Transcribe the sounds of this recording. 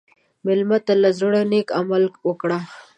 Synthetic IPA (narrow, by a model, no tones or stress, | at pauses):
mɪlmat̪alazɾoɽanekamalkwokɽa